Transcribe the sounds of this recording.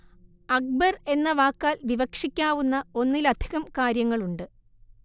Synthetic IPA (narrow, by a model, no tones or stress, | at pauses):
ɐk̚bɐre̞nːɐʋaːkːaːlʋiʋɐkʂikʲːaːʋunːɐo̞nːilɐd̪ʱiɣɐmkaːɾjɐŋːɐɭuɳɖɨ